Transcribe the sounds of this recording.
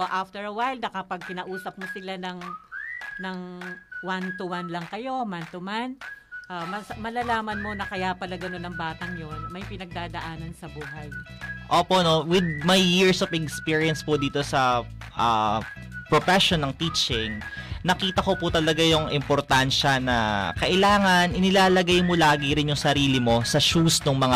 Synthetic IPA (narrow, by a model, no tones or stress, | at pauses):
oʔaft̪ɛɹɐwajlnɐkɐpɐɡ̚kɪnaːʔuːsɐp̚mosɪlanɐŋ | nɐŋwant̪ʊwanlɐŋkɐjo̞mant̪ʊmanʔamɐsmɐlaːlaːmɐnmo̞nɐkɐjapɐlaɡɐnonɐŋbaːt̪ɐŋjo̞nmɐjpɪnɐɡ̚d̪aːd̪ɐʔaːnɐnsɐbuːɦɐjʔoːpono̞wɪd̪̚mɐjːiɹsofɛkspiɹijɐnspod̪iːt̪o̞sɐ | ʔɐ̰ | pɾofɛʃonːɐŋt̪iːt͡ʃɪŋnɐkiːt̪ɐko̞pʊt̪ɐlɐɡajʊŋʔɪmpoɾt̪anʃɐnɐ̰kɐʔɪlaːŋɐnʔɪnɪlaːlɐɡajmolaːɡɪɾɪnjʊŋsɐɾiːlɪmo̞sɐʃusnoŋmɐŋa